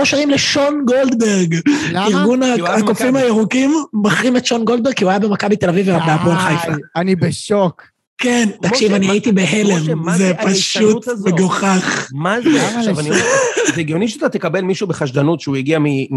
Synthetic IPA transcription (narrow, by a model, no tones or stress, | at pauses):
oʃaʁimleʃo̞nɡold̪beʁɡiʁɡunaakofimajeʁukimbaχʁimet̪ʃo̞nɡold̪̚beɡkːiuajabe̞makabit̪elavivbeapolχajfaanibeʃok | kent̪akʃivaniait̪ibeɦelemzepaʃut̪beɡoχaχmavanizeɡijoniʃeat̪at̪ekabelmiʃubeχaʃd̪anut̪ʃeujaɡiami